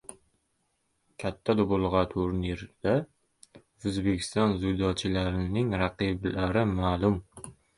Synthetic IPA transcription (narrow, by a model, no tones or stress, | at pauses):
kʲʰat̪ʰːad̪obolˠʁɑt̪ʰʊɾneɾd̪̥a | ɵzbekʲʰɪ̥st̪ɒnzʊjd̪ɒt͡ʃʰɪlaɾɪnɪŋɾaqiblaɾɪmaːlˠʊm